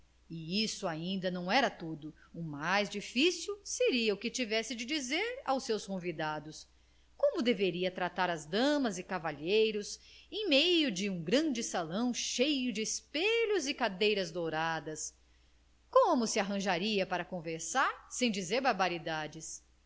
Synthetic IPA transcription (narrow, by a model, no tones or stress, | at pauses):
ɪisʊaĩnd̪ɐnɐ̃w̃ɛɾɐt̪ud̪ʊʊmajzd͡ʒifisiwseɾiɐʊkɪt͡ʃivɛsɪd͡ʒɪd͡ʒizeɾa̰wsewskõvid̪ad̪ʊs | kõmʊd̪eveɾiɐt̪ɾat̪aɾɐzd̪ɐ̃mɐzɪkavaʎejɾʊsẽj̃mejʊd͡ʒɪũɡɾɐ̃d͡ʒɪsalɐ̃w̃ʃejʊd͡ʒɪːspeʎʊzɪkad̪ejɾɐzd̪owɾad̪ɐs | kõmʊsɪaɦɐ̃ʒaɾiɐpaɾɐkõveɾsaɾsẽj̃d͡ʒizeɾbaɾbaɾid̪ad͡ʒɪs